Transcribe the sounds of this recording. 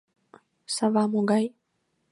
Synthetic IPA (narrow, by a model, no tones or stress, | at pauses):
savamoɡaj